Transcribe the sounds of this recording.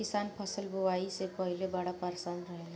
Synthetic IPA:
isanpʰʌsəlbowaisepʌɦilebaɽapaɾsanɾəɦela

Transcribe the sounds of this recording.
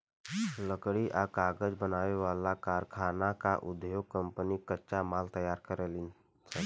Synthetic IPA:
ləkɽiʔakaːɡəd͡ʒbənaːʋeʋaːlakaːɾkʰaːnakaʔʊd̪joːɡ̚kə̃mpənikətːʃamaːlt̪əjaːɾkəɾelin | sə

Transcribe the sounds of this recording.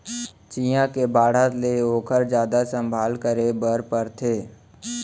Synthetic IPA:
t͡ʃiːjãkebaːɽ̤at̪leoːkʰəɾd͡ʒjaːd̪asə̃mbʱaːlkəɾebəɾpəɾt̪ʰeː

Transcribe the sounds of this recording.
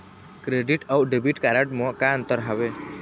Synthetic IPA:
kɾeɖiʈawɖebiʈkaɾəʈmɔ̃kaə̃nt̪əɾɦəʋe

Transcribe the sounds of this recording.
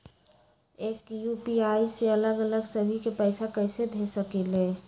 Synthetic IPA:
ekjupiaiseələɡələɡsəbʱikepəɪsakəɪsebʱesəkele

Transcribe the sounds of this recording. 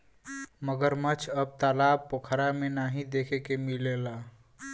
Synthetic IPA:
məɡəɾmət͡ʃʰəb̚t̪alab̚pokʰɾamenaɦĩd̪ekʰekemilela

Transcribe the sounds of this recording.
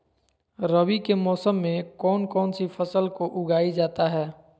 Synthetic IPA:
ɾəbikemɔːsəmːẽkɔːnkɔːnsipʰəsəlkoʔʊɡaːid͡ʒaːt̪aɦɛː

